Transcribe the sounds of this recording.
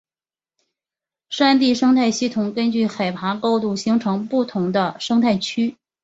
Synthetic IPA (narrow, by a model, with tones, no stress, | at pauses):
ʂa˥nt̪̬i˥˩ʂɤ˥ŋt̪ʰa˥˧ɪɕi˥˩t̪ʰʊ˨˩ŋkə˥nt͡ɕy˥˩xa˨˩ɪpʰa˧˥ko˥ʊt̪u˥˩ɕi˧˥ŋʈ͡ʂʰɤ˧˥ŋpu˥˩t̪ʰʊ˧˥ŋd̪ə˧ʂɤ˥ŋt̪ʰa˥˩ɪt͡ɕʰy˥